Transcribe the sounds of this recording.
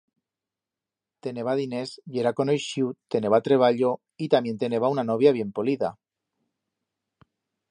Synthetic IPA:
t̪e̞ne̞βaðine̞sʝe̞ɾakonojʃiut̪e̞ne̞βat̪ɾe̞β̞aʎo̞ | it̪amje̞nt̪e̞ne̞βaunano̞β̞jaβ̞je̞mpoliða̰

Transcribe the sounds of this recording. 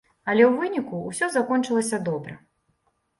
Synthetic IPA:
ɐlʲɛwvɨnʲikuːsʲɔzakɔnt͡ʂɨlˠɐsʲɐd̪ɔbɾɐ̰

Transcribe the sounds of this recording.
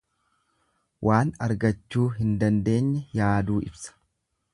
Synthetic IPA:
wʔaːnɐɾɡɐt͡ʃːuːɦɪnd̪ɐnd̪e̞ːɲːɛjaːd̪uːʔɪ̰bsɐ̥

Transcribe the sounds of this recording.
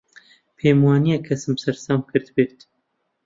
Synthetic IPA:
pʰeːmwɑːnijaːkʰɛsɨmbsɛɾsɑːmkʰɨɾt̪beːɾt̪

